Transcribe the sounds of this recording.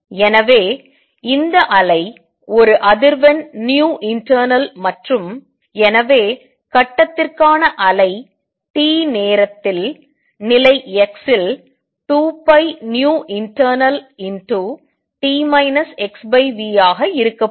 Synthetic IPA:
ɛnɐʋeː | ɪnd̪ɐʔɐlɐɪ | ɔɾɯʔɐðɪɾʋɐnnjuːʔɪɳʈɐɾnɐlmɐʈrɯm | ɛnɐʋeː | kɐʈːɐt̪ːɪrkaːnɐʔɐlɐɪ | ʈiːneːɾɐt̪ːɪl | nɪlɐɪɛksɪl | ʈuːpːɐɪnjuːʔɪɳʈɐːɾnɐlɪnʈu | ʈiːmɐɪnɐsɛksbɐɪʋiːjaːɣɐɪɾɯkːɐ

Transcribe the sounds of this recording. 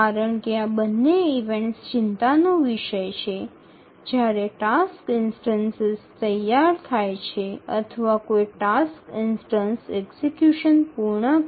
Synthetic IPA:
aɾəɳkeabənːeiʋẽɳʈst͡ʃɪnt̪anoʋiʃəjt͡ʃʰe | d͡ʒjaɾeʈaskɪnsʈənsezt̪əjaɾt̪ʰajt͡ʃʰeə̰t̪ʰəʋakojʈaskɪnsʈənsɛɡsekjuʃənpuɾɳə

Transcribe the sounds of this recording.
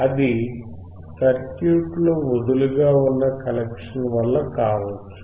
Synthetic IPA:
ɐd̪i | kɐɾkjuːʈloːod̪uluɡaːunːɐkɐlekʂɐnʋɐlːɐkaːʋɐt͡ʃːu̥

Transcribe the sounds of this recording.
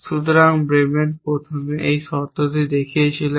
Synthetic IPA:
ʃut̪oɾaŋbɾemenpɾot̪ʰomeʔejʃɔt̪ot̪id̪ekʰijet͡ɕʰile

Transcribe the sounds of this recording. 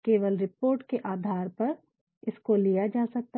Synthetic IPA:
keːʋəlɾɪpoːɾʈkeʔaːd̪ʱaːɾpɐɾ | ɪskolijad͡ʒaːsɐk̚t̪a

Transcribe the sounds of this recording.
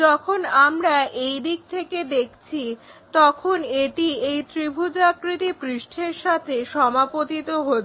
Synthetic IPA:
d͡ʑɔkʰonamɾaejd̪ik̚t̪ʰeked̪ekʰt͡ɕʰit̪ɔkʰoneʈiejt̪ɾibʱud͡ʑakɾit̪ipɾiʃʈʰeɾʃat̪ʰeʃɔmapot̪it̪oɦo

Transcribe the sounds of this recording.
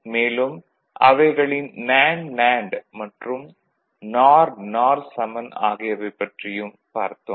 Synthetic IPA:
meːlɯm | ʔɐ̰ʋɐɪɣɐɭɪnːaːɳlaːɳɖmɐʈrɯm | naːɾnaːɾsɐmɐna̰ːɣɪjɐʋɐɪpːɐʈrɪjɯm | pa̰ːɾt̪ːɯm

